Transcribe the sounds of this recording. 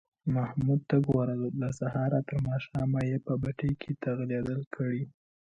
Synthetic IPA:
mahmud̪̚t̪aɡwaɾallasahɑɾat̪əɾmɑʃɑmajepəbaʈəjkʰet̪aɣled̪əlkʰəɽi

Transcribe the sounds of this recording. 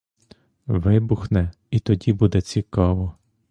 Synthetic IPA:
ʋɪbʊxnɛ | it̪ɔdʲibud̪ɛt͡sʲikɑʋɔ

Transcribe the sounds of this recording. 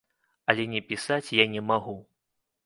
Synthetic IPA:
ɐlʲɛnʲɛpʲisat͡sʲjanʲɛmaɣu

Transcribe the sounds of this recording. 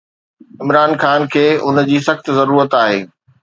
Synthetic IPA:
ɪmɾaːnxaːnkʰeːʊnd͡ʑiːsɐxt̪zɐɾuːɾət̪aːɦeː

